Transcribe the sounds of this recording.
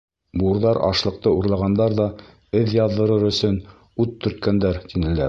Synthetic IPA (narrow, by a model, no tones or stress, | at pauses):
bŭɾðɑɾɑ̰ʃlˠɤ̆q̚t̪ɤuɾlˠɑʁɑnd̪ɑɾðɑ | ɘðjɑðːɤ̆ɾɤɾɵ̆sɵn | ʉt̪ːɵ̆ɾt̪̚kænd̪æɾt̪inɘ̆læɾ